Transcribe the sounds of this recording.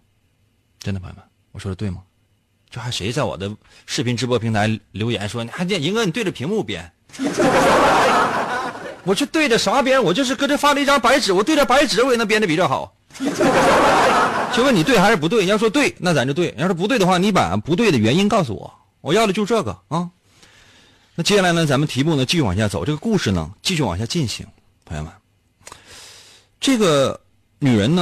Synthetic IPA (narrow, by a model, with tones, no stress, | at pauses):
ʈ͡ʂə˥nd̪ə˩pʰa̰˧˥˩ma˧˩n | wɔ˨˩ʂwɔ˥də˧t̪we˥˩ɪmɐ˩ | t͡ɕjo˥˩ʊxa˧˥ɪʂe˧˥ɪt͡sa˥˩ɪwɔ̰˨˩d̪ə˦ | ʂɻ̩˥˩pʰi˧˥nʈ͡ʂɻ̩˧˥pwɔ˧˥pʰi˧˥ŋt̪ʰa˧˥ɪljo˧˥ʊjɛ̰˨˧˥nʂwɔ˥ni˨˩xa˧˥˩i˧˥ŋwn˨t̪we˥˩ʈ͡ʂə˩pʰi˧˥ŋmu˥˩pjɛ̰˧˥n˥˧˥ | wɔ˨˩t͡ɕʰɛ˥˧t̪we˥˩ɪʈ͡ʂə˩ʂɑ˧˥˩p̬jɛ˥nwɔ˨˩t͡ɕjo˥˧ʊʂ̬ɻ̩˥˧kə˥ʈ͡ʂɤ˥˩fa˥lə˧i˥˩ʈ͡ʂʰɑ˥ŋpa˧˥ɪʈ͡ʂɻ̩˨˥wɔ˨˩t̪we˥˩ɪʈ͡ʂə˧pa˧˥ɪʈ͡ʂɻ̩˨˩wn˥˧pjɛ˥˩nʈ͡ʂə˧pi˨˩t͡ɕjɑ˥˩ʊxɑ̰˨˩˦ʊ˥˧ | t͡ɕjo˥˧ʊwə˥˩ni˨˩t̪we˥˩ɪxa˧˥ɻ̩˥˩p̬u˧t̪we˥˩ɪi˧jʂwɔ˥t̪̬we˥˩ɪna˥˩t͡sa˧m˧t͡ɕjt̪we˥˩˧pu˧˥t̪we˥˩ɪə˧xwa˥˩ni˧˥pa̰˨˩˦pu˧˥t̪we˥˩ɪd̪ə˩ɥɛ˧˥ni˥nkɑ˥˩ʊsṵ˧wɔ̰˨˩˦ | wɔ˨˩jɑ˥˩ʊd̪ə˩t͡ɕo˥˧ʊ˧ʈ͡ʂɤ˥˩ɡə̰˩ə˥˩ | na˥˩t͡ɕjɛ˥˩ɕja˥˩la˧˥ɪnə˧t͡sa˧˥mə˨nt̪ʰi˧˥pu˥˩nə˩t͡ɕi˥˧ɕy˥˩w̰a̰˨˩ɕja˥˩t͡so˨˩ʊʈ͡ʂɤ˥˩ɡə˧ku˥˧ʂɻ̩˥˩nə̰˩t͡ɕi˥˧ɕy˥˩wa̰˨˩ɕja˥˧t͡ɕi˥˩nɕḭ˧˥ŋ | pʰŋjo̰˧˥mə˧˩˦n | ʈ͡ʂɤ˥˩ɡə˩ | ny˨˩ɻə̰˧˥nə˧